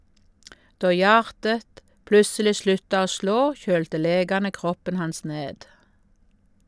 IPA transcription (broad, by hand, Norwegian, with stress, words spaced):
ˈdoː ˈjɑːʁtət ˈplʉsəlɪ ˈslʉtɑ ˈoː ˈsloː ˈçøːltə ˈleːɡɑnə ˈkʁɔpən ˈhɑns ˈneːd